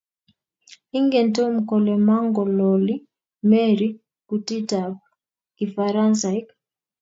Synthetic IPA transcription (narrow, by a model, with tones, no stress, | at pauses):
i˦ŋɡɛ˨ntɔ˦m̩˨kɔ˨lɛ˨ma˦ŋɡɔ˨lɔ˨li˦ | mɛ˦ɾi | kuti˦ta˨p | ki˨faɾa˦nsa˨jk